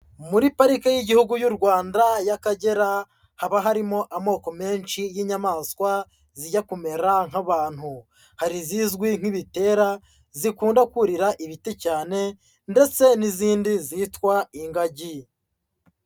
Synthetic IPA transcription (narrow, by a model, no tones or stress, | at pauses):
muɾipaɾikajiɟihuɡujuɾɡwaːndajakaɟe̞ɾa | haβaɦaɾimo̞ʔamo̞ːko̞me̞ːnʃijiːɲamaːskwa | ziɟakume̞ɾaŋ̥aβaːn̥hu | haɾiziːzɡwiŋ̥iβite̞ːɾa | zikuːndakuɾiɾaʔiβitecaːne̞ | nde̞t͡se̞niziːndiziːtkwaiŋɡaɟi